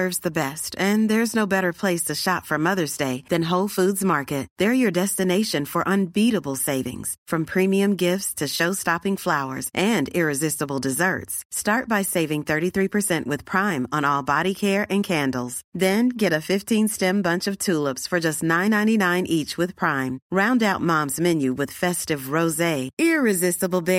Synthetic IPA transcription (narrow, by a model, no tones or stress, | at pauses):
ɜ˞vzðɨbɛstɨ̃nðə˞ɨznoʊbɛɾə˞pʰl̥eɪstʰɨʃɑtfʌ̃mʌðə˞zdeɪðɨ̃nɦoʊlˠfudzmɑɹkɨt̚ðə˞jə˞dɛstɨneɪʃɨ̃nfə˞ʔə̃nbiɾəbl̩ˠseɪvɪ̰̃ŋz̥fɹʌ̃mpʰɹ̥ĩmiɨ̃mɡɪftstʰɨʃoʊstɑpɪ̃ŋflaʊə̰˞z̥ʔɨ̃nɪɹɨzɪstəbl̩ˠdɨzɜ̰˞tstɑɹt̚b̥aɪseɪvɪ̃ŋθɜ˞ɾiθɹipʰə˞sɛ̃nʔwɨð̥pʰɹ̥ãɪ̃mə̃nɔlˠbɑɾikʰɛɹʔɨ̃nkʰæ̃ndl̩ˠz̥ðɨ̃nɡɛɾɨfɪftʰĩnstɛ̃mbʌ̃nt͡ʃʌv̥tʰulˠəpsfə˞d͡ʒʌstⁿnãɪ̃nːãɪ̃ninãɪ̃nʔit͡ʃwɨð̥pʰɹ̥ãɪ̃mɹãʊ̃ndaʊt̚mɑ̃mzmɛ̃njʉwɨð̥fɛstɨvɹoʊzeɪɪɹɨzɪstəbl̩ˠbɪ